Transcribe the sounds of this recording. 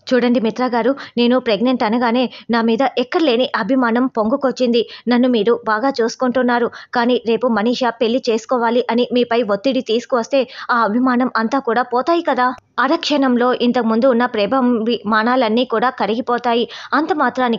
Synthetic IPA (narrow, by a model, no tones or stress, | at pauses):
t͡ʃuːɽɐɳɖimit̪ɾaːɡaːɾune̞ːnupɾeɡneɳʈɐnɐɡaːne̞ːnaːmiːd̪ɐʔɛkːɐɾɐle̞ːniʔɐbʱimaːnɐmpoŋɡukot͡ʃːind̪inɐnːumiːɾubaːɡaːt͡ʃuːsu̥kuɳʈunːaːɾukaːniːɾe̞ːpumɐniːʂɐpe̞lːit͡ʃe̞ːsu̥kɔːʋaːliʔɐnimiːpɐjʋot̪ːiɽit̪iːsu̥kuʋɐst̪e̞ːaːɐbʱimaːnɐmɐnt̪aːkuːɽaːpɔːt̪aːjikɐd̪aː | ɐɾɐkʂɐɳɐmlo̞ːʔint̪ɐkmund̪uːnːɐpɾɛːbʱɐmimaːnaːlɐnːiːkuːɽaːkɐɾiɡipɔːt̪aːjiɐnt̪ɐmaːt̪ɾaːni